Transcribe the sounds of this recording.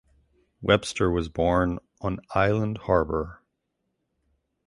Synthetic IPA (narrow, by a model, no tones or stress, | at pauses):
wʔɛb̥stə˞wʌzbɔɹn | ə̃naɪlˠə̃ndhɑɹbə˞